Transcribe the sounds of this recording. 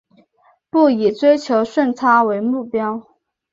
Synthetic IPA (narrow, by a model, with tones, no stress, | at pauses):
pu˥˩i˨˩t͡swe˥ɪt͡ɕʰjo˧˥ʊʂwə˥˩nt͡sʰa˥we˧˥ɪmu˥˩pjɑ˥ʊ